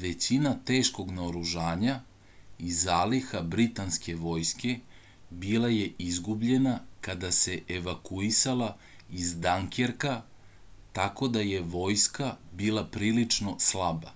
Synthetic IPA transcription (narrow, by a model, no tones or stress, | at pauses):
ʋe̞t͡ɕinat̪e̞ːʃko̞ɡnaoɾuʒaːɲa | izaːlixabɾit̪anske̞ʋo̞jske̞ | bilaje̞ʔizɡubʎe̞nakad̪ase̞ʔeʋakuisalˠa | izd̪aŋkeɾka | t̪ako̞d̪aje̞ʋo̞ːjskabilˠapɾiːlit͡ʂno̞slaba̰